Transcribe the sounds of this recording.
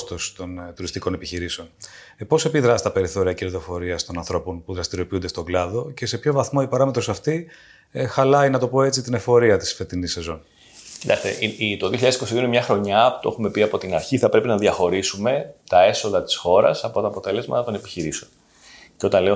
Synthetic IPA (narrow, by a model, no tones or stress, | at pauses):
st̪ost̪o̞nt̪uɾist̪iko̞ne̞piçiɾiseo̞n | epo̞se̞piðɾɐst̪ɐpe̞ɾiθo̞ɾiɐceɾiðo̞fo̞ɾiɐst̪o̞nɐnθɾo̞po̞npuðɾɐst̪iɾio̞piund̪est̪oɡlɐðo̞ce̞se̞pço̞vɐθmo̞ipɐɾɐmet̪ɾosɐft̪i | xɐlɐinɐt̪o̞po̞e̞t͡sit̪ine̞fo̞ɾiɐt̪i̥sfe̞t̪inisːe̞zo̞n | ci̥t̪ɐkst̪ḛʔiit̪oðioçiʎɐðesi̥kosiðionemɲɐxɾo̞ɲɐpu̥t̪oxume̞piɐpo̞t̪inɐɾçiθɐpɾe̞pinɐðjɐxo̞ɾisume̞t̪ɐe̞so̞ðɐt̪i̥sxo̞ɾɐ̰sɐpo̞t̪ɐːpo̞t̪e̞le̞zmɐ̰t̪ɐt̪o̞ne̞pi̥çiɾiseon | ceo̞t̪ɐnleo